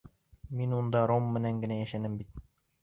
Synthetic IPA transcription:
minund̪ɑɾomːɘ̆næŋɡɘ̆næjæʃænɘmbit̪̚

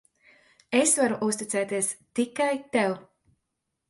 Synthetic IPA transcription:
esvaɾuʔust̪it̪sɛːt̪iɛst̪ikajt̪ɛw

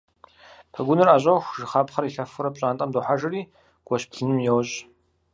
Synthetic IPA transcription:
pʰɐɡʷʊnɨraːʑʼɐxʷʒɨχaːpχɐɾiɬɐfɨɾɐpɕʼaːntʼɐmdʊħaʒɨriː | ɡ̥ʷɔɕpɬɨnɨmjɛwɕʼ

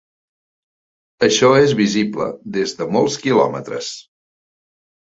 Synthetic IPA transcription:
əʃɔezβiziblə̰ðezðəmɔlˠskilɔ̰mə̰t̪ɾə̰s

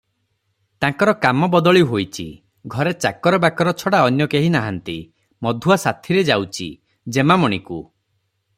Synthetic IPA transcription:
t̪ãŋkɔɾɔkamɔbɔd̪ɔɭiɦojt͡ʃʰḭ | ɡʱɔɾet͡ʃa̰kɔɾɔbakɔɾɔt͡ʃʰɔɽaɔnjɔkeɦinaɦant̪ḭ | mɔd̪ʱuasat̪ʰiɾed͡ʒawt͡ʃʰḭ | d͡ʒemamɔɽ̃iku

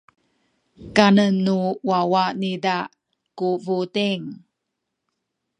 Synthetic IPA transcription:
kanənːuwawanida | kuvutiŋ

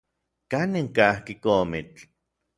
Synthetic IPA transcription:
kaniŋkahkikomit͡ɬ

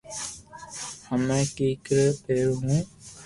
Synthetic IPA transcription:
həmẽːkiːkɾəpeːɾɦũː

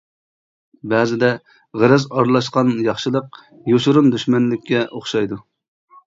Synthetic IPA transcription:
bɛːzɪd̪ɛ | ʁəɾɛzɑɾlˠɑʃqɑnjɑχʃɨlˠəq | joʃuɾund̪yʃmɛnlɪkʲːɛʔoχʃɑjd̪u

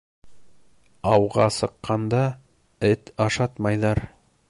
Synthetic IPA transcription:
ɑwʁɑsɤ̆qːɑnd̪ɑ | ɘt̪ɑʃɑt̪mɑjðɑɾ

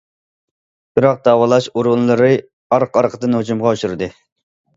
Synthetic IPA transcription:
b̥ɪɾɑq̚d̪ɑːwɑlˠɑʃuɾʊnlˠɨɾɨ | ɑɾqɑɾqʰəd̪ɨnhod͡ʒumʁɑuʃuɾɨd̪ɨ

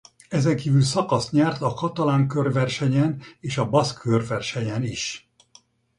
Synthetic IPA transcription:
ɛzɛŋkiːvylsɒkɒst̪ɲɛrt̪ɒkɒt̪ɒlaːŋkørvɛrʃɛɲɛneːʃɒbɒskʰørvɛrʃɛɲɛniʃ

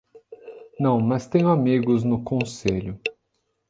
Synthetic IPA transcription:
nɐ̃w̃mɐst̪ẽj̃ʊamiɡʊznʊkõseʎʊ

